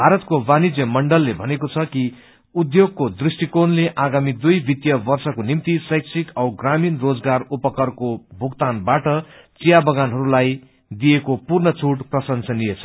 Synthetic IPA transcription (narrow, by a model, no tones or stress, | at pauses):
bʱaɾʌt̪kobanid͡zjʌmʌɳɖʌlːebʱʌnekot͡sʰʌki | ud̪joɡ̚kod̪risʈikonleʔaɡamid̪ujbʱit̪jʌbʌrsʌkonimt̪isʌjksʰikʌwɡraminrod͡zɡarupʌkʌrkobʱukt̪anbaʈʌt͡sijabʌɡanɦʌɾulaj | d̪ijekopurnʌt͡sʰuʈprʌsʌnsʌnijet͡sʰʌ